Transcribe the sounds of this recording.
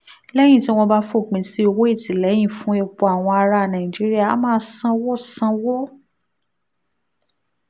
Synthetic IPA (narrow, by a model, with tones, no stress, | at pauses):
lɛ˦j̃ĩ˦˨tĩ˦w̃ɔ̃˧ba˦fo˦˨k͡pĩ˧si˦o˧wo˦i˦˨tĩ˨˦lɛ˨˦j̃ĩ˦˨fũ˨˦e˧˨k͡po˧˨a˨w̃ɔ̃˧a˧ɾa˧˨nã˨ĩ˨d͡ʒi˨˦ɾi˦a˦˨˦mãː˦sã˦˧wo˦sã˧wo˦